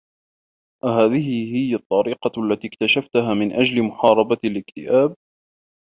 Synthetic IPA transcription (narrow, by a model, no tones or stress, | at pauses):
ʔaɦaːðɪɦɪhɪjːat̪ˤːɑɾiːqɑʔalːat̪iːkt̪aʃaft̪aɦaːmɪnʔad͡ʒlɪmʊħɑːɾˤɑbaalɪkt̪ɪ̰ʔaːb̚